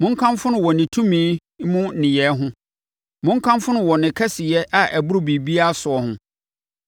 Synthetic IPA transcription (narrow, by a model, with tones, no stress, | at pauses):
mʊ̃˦ŋ̩˦kʰã˦mfʊ˦nʊ̃˨wɔ˨nɪ̃˨tʰũ˦mĩː˦ | mũ˦nɪ̃˨jɛ˨˦ɦʊ̃˦ | mʊ̃˦ŋ˦kʰã˦mfʊ̃˦nʊ̃˨wɔ˨nɪ̃˨kʰɛ˦sɪ˨jɛ˦ʔa˨ʔæ˨bʊ˦ɾʊ˦˨bi˨bi˦a˦sʊ˨ɔ˨hʊ̃˦